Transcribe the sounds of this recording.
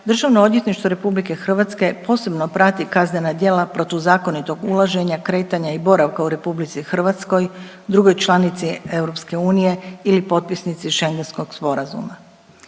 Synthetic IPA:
d̪r̩ʒaʋno̞o̞d̪ʋjet̪niʃt̪ʋo̞ɾe̞publike̞xr̩ʋat̪ske̞po̞ːse̞bno̞pɾat̪ikaznenad̪je̞ːlapɾo̞t̪iʋzaːkonit̪o̞ɡulaʒe̞ɲakɾe̞ːt̪aɲaibo̞ɾaʋkauɾe̞publit̪sixr̩ʋat̪sko̞j | d̪ɾuɡo̞jt͡ʃlˠanit̪sie̞ʋɾo̞pske̞uːnije̞ilipo̞t̪̚pisnit̪siʃe̞ŋɡe̞nsko̞ɡ̥spo̞ɾazṵma

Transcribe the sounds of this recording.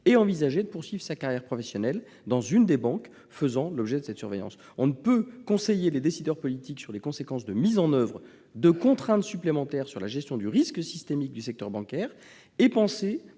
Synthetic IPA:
eɑ̃vizaʒed̪əpuʁsɥivʁəsakaʁjɛʁpχɔfesjɔnɛl | d̪ɑ̃zynd̪ebɑ̃k | fəzɑ̃lɔbʒɛd̪əsɛt̪syʁvḛjɑ̰̃s | ɔ̃nəpøkɔ̃sejeled̪esid̪œʁpɔlit̪iksyʁlekɔ̃sekɑ̃sd̪əmizɑ̃nœvʁə | d̪əkɔ̃t̪χɛ̃t̪syplemɑ̃t̪ɛʁsyʁlaʒɛst̪jɔ̃d̪yʁisksist̪emik̚d̪ysɛk̚t̪œʁbɑ̃kɛːʁ | epɑ̃se

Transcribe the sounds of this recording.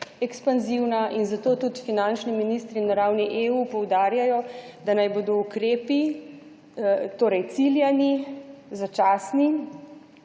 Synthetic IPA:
ɛkspanziwnaʔinzat̪oːt̪ut̪finant͡ʃniminist̪ɾinaɾawniʔeːupɔwd̪aːɾjajɔd̪anajboːd̪ɔukɾeːpi | t̪oːɾɛjt̪siljanizat͡ʃaːsni

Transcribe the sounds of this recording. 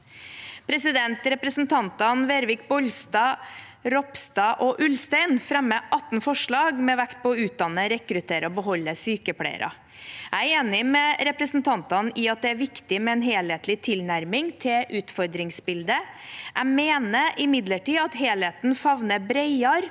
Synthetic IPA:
pʰɾɛsɪd̪ɛnt̪ɾɛpɾəsn̩t̪ʰɑnt̪ɑnʋeːɾʋɪk̚bɔlst̪ɑː | ɾɔpst̪ɑːʔɔʔʉlst̪æɪnfɾɛmːəʔɑt̪ːnfɔʂɭɑːɡmɛʋækt̪̚pʰɔːʉːt̪̚d̪ɑnːəɾɛkɾʉt̪ʰeːɾəɔbəɦɔlːəsyːkəpʰlæ̰ɪ̰ɾɑ̰ | ææɾeːnɪmɛɾɛpɾəsn̩t̪ʰɑnt̪ɑnɪɑt̪̚d̪ɛæɾʋɪkt̪ɪmɛɛnɦeːlheːt̪lɪt̪ʰɪlnæɾmɪŋt̪ʰɪlʔʉːt̪fɔɾd̪ɾɪŋsbɪld̪ə | ʔæmeːnəʔɪmɪd̪ləʈiːɑt̪ɦeːlheːt̪nfɑʋnəbɾeɪɑɾ

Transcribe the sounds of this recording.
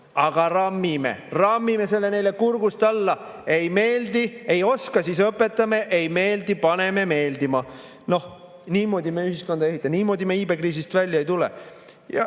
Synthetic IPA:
ɑɡ̥ɑrɑmːimḛrɑmːime̞se̞lːe̞ne̞jle̞kurɡust̪ɑlːɑe̞jme̞ːld̪ie̞jo̞skɑsisɤpːˑe̞t̪ːˑɑmeʔejme̞ːld̪̥ipɑne̞me̞me̞ːld̪imɑ | no̞h | niːmo̞ːd̪ime̞yɦisko̞nd̪ɑe̞ɦit̪ˑːɑniːmo̞ːd̪ʲimeiːbe̞kriːs̬ist̪vælʲjɑejt̪ulḛ | jɑ̰

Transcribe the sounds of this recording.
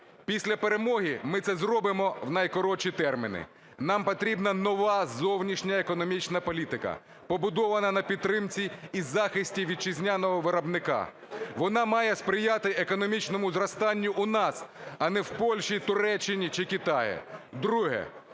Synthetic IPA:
pʲisʲlʲɐpeɾemɔɦʲimɪt̪sɛzrɔbɪmɔwnɐjkɔɾɔt͡ʃit̪ɛrmʲinɪ̰ | nɑmpɔt̪ɾʲibnɐnɔʋɑzɔwnʲiʃnʲɐekɔnɔmʲit͡ʃnɐpɔlʲit̪ɪkɐ̰ | pɔbʊd̪ɔʋɐnɐnɐpʲid̪t̪ːɾɪmt͡sʲiːzɑxɪsʲtʲiʋʲid̪̚t͡ʃɪzʲnʲanɔɦɔʋɪɾɐbnɪkɑ̰ | ʋɔnɑmɑjɛspɾɪjat̪ɪekɔnɔmʲit͡ʃnɔmʊzrɐst̪ɑnʲːʊʔʊnɑsɐnɛwpɔlʲʃit̪ʊɾɛt͡ʃːɪnʲit͡ʃɪkɪt̪ɑjɪ̰d̪ɾuɦɛ̰

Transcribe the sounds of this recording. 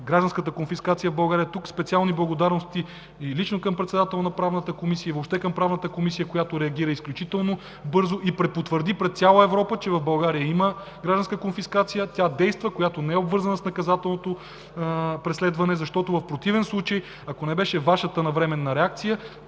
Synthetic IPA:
ɡɾaʒd̪ɐnskət̪əkonfiskat̪sijəvbɐlˠɡaɾijət̪ukspɛt̪sialˠniblˠɐɡod̪aɾnost̪i | ilit͡ʃnokɐmpɾɛt̪sɛd̪at̪ɛlˠnɐpɾavnət̪əkomisiəivopʃt̪ɛkɐmpɾavnət̪əkomisijəkojat̪oɾɛɐɡiɾəisklʲut͡ʃit̪ɛlˠno | bɤɾzoʔipɾɛpot̪vəɾd̪ipɾɛt̪t̪sʲalˠəɛvɾɔpət͡ʃɛvɐvbɐlˠɡaɾijəimə | ɡɾaʒd̪ɐnskəkonfiskat̪sijət̪ʲad̪ɛjst̪vəkojat̪onɛɛobvɤɾzɐnəsnɐkɐzat̪ɛlˠnot̪o | pɾɛslɛd̪vɐnɛzɐʃt̪ɔt̪ʊvɐfpɾot̪ivɛnslˠut͡ʃəj | ɐkonɛbɛʃɛvaʃət̪ənɐvɾɛmɛnːɐɾɛak̚t̪sijə

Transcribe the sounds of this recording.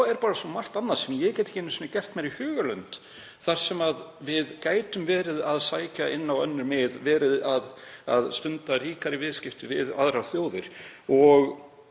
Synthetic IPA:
ɛɾpaːɾasɔmar̥t̪anːḁsɛmjɛɣcɛt̪ɪ̥hcɪɛnːʏsɔːnːacɛr̥t̪mɛɾihʏːɣʏlœnt̪ | θaɾ̥sɛmaðvɪðkaːjt̪ʏmvɛːɾɪðaðsaːjcaʔɪnːawœnːʏɾmɪðvɛːɾɪðaða̰ðst̪ʏnt̪ariːkaɾɪvɪðscɪft̪ʏvɪða̰ðɾawθjoːwðɪɾ̥ɔɣ

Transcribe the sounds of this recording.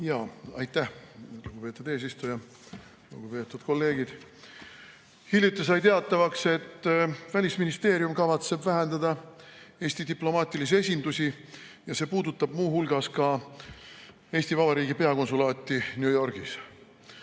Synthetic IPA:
jɑːɑ̰jt̪ːˑæhluɡ̥upe̞t̪ːˑud̪̥e̞ːs̬ist̪ujɑ | lṵɡ̥upe̞ːt̪ːˑud̪̥ko̞lːe̞ːɡ̥id̪̥ | hiljut̪ːˑesɑjt̪e̞ɑt̪ːˑɑvɑkse̞t̪ːvælʲisminist̪e̞ːɾjumkɑvɑt̪se̞bvæɦend̪̥ɑd̪ɑ | e̞ːsʲt̪id̪iplo̞mɑːt̪ʲˑilis̬ie̞sʲind̪̥usʲi | jɑse̞ːpuːd̪ut̪ːˑɑb̥muːhulɡ̥ɑskɑ | e̞ːsʲt̪ivɑbɑɾiːɡipe̞ɑko̞nsulɑːt̪ˑːinjujo̞rɡ̥is

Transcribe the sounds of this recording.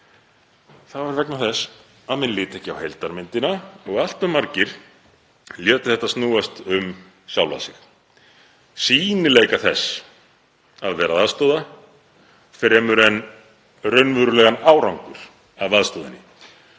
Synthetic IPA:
θavaɾvɛknaθɛs | aðmɛnlɪːt̪ɛhcɪawhejlt̪aɾmɪnt̪ɪnaɔɣal̥t̪ʏmaɾcɪɾ̥ | ljœːt̪ʏ̥θɛht̪asnuːast̪ʏm | sjawla̰sɪx | siːnɪlejkaθɛs | aðvɛːɾaðaðst̪ɔːwða | fɾɛːmʏɾɛn | rœɥnvœɾʏlɛːɣanaːwɾawŋkʏɾ̥ | aðaðst̪oːðɪ̰nːɪ̰

